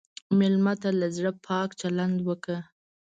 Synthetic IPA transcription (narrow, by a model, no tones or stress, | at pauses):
mɪlmat̪alazɽəpʰɑkt͡ʃaland̪wəkə